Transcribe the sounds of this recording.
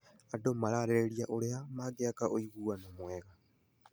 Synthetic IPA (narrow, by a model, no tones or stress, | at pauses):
adomaɾaɾeɾeɾiaʔoɾeamaːɡeakaʔoiɣuːanomweɣa